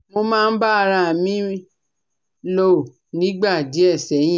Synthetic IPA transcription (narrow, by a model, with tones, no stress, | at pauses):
mo˧mãː˦˧n̩˦ba˦a˧ɾa˧˨mĩ˨˦ | lo˦˨ | nĩ˨˦ɡ͡ba˦˨di˨˦ɛ˦˨sɛ˨˦jĩ˦